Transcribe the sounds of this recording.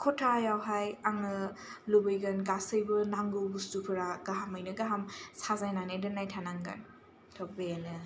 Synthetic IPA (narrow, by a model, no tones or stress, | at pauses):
kʰɔtʰajawɦajaŋɯ | lubɯjɡɐnɡasɯjbɯnaŋɡubustupʰɯɾaɡaɦamɯjnɯɡaɦamsazajnanedɯnːajtʰanaŋɡɐ̰n | tʰɔbenɯ